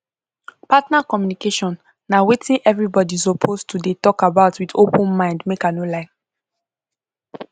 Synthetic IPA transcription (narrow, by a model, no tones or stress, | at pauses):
patnakɔmjunikeʃɔ̃nː | awetʰĩnʔɛvɹibɔdizɔpʰostʰudetɔkabaʊtwidopə̃nmãɪ̃ndmekanolãɪn